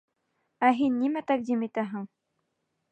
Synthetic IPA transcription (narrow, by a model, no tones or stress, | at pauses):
æɦinːimæt̪æk̚d̪imit̪æɦɘŋ